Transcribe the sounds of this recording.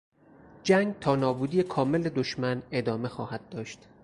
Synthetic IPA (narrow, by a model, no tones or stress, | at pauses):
d͡ʒæŋɡt̪ʰɒːnɒːbuːd̪iːjekʰɒːme̞led̪oʃmæne̞d̪ɒːme̞xɒːhæd̪̚ːɒːʃt̪